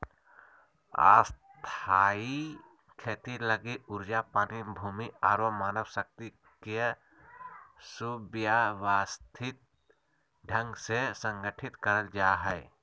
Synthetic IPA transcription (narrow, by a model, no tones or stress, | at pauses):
a̰ːs | t̪ʰaːi | kʰeːt̪iləɡiʊɾd͡ʒapaːnibʱuːmiaːɾomaːnəʋsək̚t̪i | ke | subjaʋaːst̪ʰɪt̪̚ | ɖʱə̃ŋɡsesə̃ŋɡəʈʰɪt̪kəɾəld͡ʒaːɦɛː